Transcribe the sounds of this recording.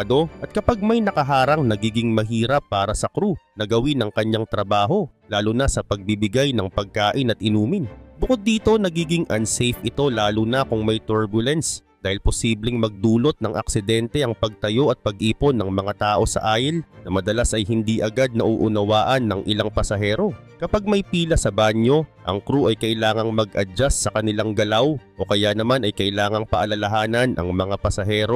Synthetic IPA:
d̪o̞ʔɐt̪̚kɐpaɡ̚mɐjnɐkɐɦaːɾɐŋnɐɡiːɡɪŋmɐɦiːɾɐpːaːɾɐsɐkɾunɐɡɐwɪnɐŋkɐɲaŋt̪ɾɐbaːɦo̞ | laːlʊnɐsɐpɐɡ̚bibɪɡajnɐŋpɐɡ̚kaːʔɪnɐt̪̚ʔɪnuːmɪnbʊkod̪ːiːt̪o̞nɐɡiːɡɪŋʔɐnsɛjfʔɪt̪o̞laːlʊnɐkʊŋmɐjt̪uɹbʊlɛnsd̪aːhɪlpo̞siːblɪŋmɐɡ̚d̪uːlo̞t̪̚nɐŋʔɐ̰ksɪd̪ɛnt̪ɛʔɐŋpɐɡ̚t̪ɐjo̞ʔɐt̪̚pɐɡ̚ʔiːpo̞nːɐŋmɐŋat̪aːʔo̞sɐ̰ʔaːjɪlnɐmɐd̪ɐlasʔɐjhɪnd̪iʔɐɡad̪̚nɐʔuːʔʊnɐwaːʔɐnːɐŋʔɪlaŋpɐsɐɦɛːɾo̞ | kɐpaɡ̚mɐjpiːlɐsɐbaːɲo̞ʔɐ̰ŋkɾuʔɐjkɐʔɪlaːŋɐŋmɐɡʔɐd͡ʒasːɐkɐnɪlaŋɡɐlawʔo̞kɐjanɐmanɐjkɐʔɪlaːŋɐŋpɐʔɐlɐlɐɦaːnɐnʔɐ̰ŋmɐŋapɐsɐɦɛːɾo

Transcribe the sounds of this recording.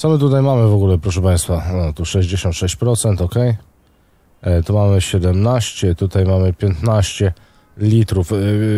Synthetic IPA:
t̪sɔmɘt̪̬ut̪ajmamɘvɔɡulɛpɾɔʂɛpãj̃st̪faɔt̪uʂɛʑd͡ʑeɕɔ̃nt̪ʂɛɕt͡ɕpɾɔt̪sɛnt̪ɔkɛj | t̪ɔmamɘɕɛd̪ɛmnaɕt͡ɕɛt̪ut̪ajmamɘpʲjɛnt̪naɕt͡ɕɛ | lʲit̪ɾuf

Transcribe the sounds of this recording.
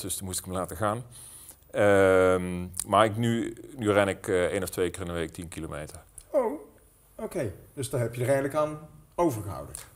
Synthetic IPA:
d̥øsmustɪ̥kəmlaːtəɣaːn | əmmaːɹɪknynyrɛnɪkːejnɔftʋejkəːrɪnənʋejk̚tinkilomejtəɹ | ow | owkejd̥əsdanɦɛpjədəɹɛjnləkaːnowvəɹɣəɦʌ̰wdə

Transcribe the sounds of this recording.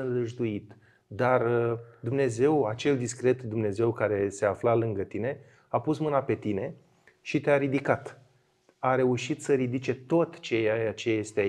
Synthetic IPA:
ɨnɾɨʒd̪uit̪ | d̪arəd̪umne̞ze̞wat͡ʃe̞ld̪iskɾe̞t̪d̪umne̞ze̞wkaɾe̞se̞aflalɨŋɡət̪ine̞ | apusmɨnape̞t̪ine̞ | ʃit̪eaɾid̪ikat̪ | aɾe̞uʃit̪səɾid̪it͡ʃe̞t̪o̞t̪t͡ʃe̞jajat͡ʃe̞je̞st̪ea

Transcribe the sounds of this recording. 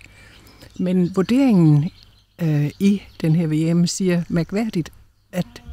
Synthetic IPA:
menʋuɐd̥e̝̰ːe̝ŋn̩ | id̥enɦeɐ̰ʋe̝ːemsiːɐmæɐɡ̥ʋæɐ̰d̥id̥ | æd̥

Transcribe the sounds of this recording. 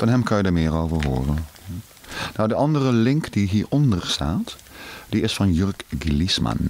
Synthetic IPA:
fɑnɦɛmkɑnjədəmɪːɹowvəɹɦo̰ːrən | nawdəʔɑndərəlɪŋkd̥iɦiːɹɔndəɹsta̰ːtd̥iɪsfɑnjøɹkɡlismɑ̰n

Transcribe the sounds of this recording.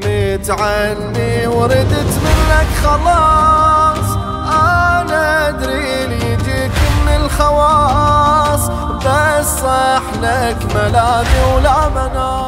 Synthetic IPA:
mit̪ʕanːiwɾɪd̪t̪mɪnːakxɑlɑː | sˤ | ʔanaʔad̪ɾi | l | t̪ikʊmːɪlxawɑː | sˤ | basˤħnakmalaːdiwlamana

